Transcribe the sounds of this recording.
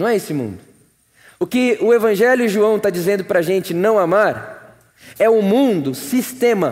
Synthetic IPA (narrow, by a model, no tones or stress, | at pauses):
nɐ̃w̃ɛesɪmṵ̃nd̪ʊ | ʊkɪʊevɐ̃ʒɛljʊʒuɐ̃w̃t̪ad͡ʒizẽnd̪ʊpɾɐʒẽnt͡ʃɪnɐ̃w̃amaɾ | ɛʊmũnd̪ʊsist̪ẽmɐ